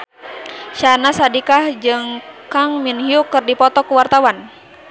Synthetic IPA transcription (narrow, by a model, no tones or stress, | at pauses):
ʃanasadikahd͡ʒɨŋkaŋminhiukɨrdipɔt̪ɔkuwart̪awan